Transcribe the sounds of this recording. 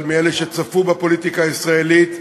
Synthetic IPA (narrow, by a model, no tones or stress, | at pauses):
lmieleʃet͡safubapo̞lit̪ikaːisʁaelit̪